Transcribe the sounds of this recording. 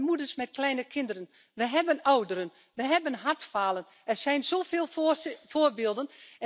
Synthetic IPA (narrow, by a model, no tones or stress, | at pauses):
muədərsmɛt̚klɛjnəkʰɪndərən | ʋəɦɛbənawdəɾən | ʋəɦɛbənɦatfaːlˠən | ɛrsɛjnsoːfɪːlˠfoːrbɪːlˠdən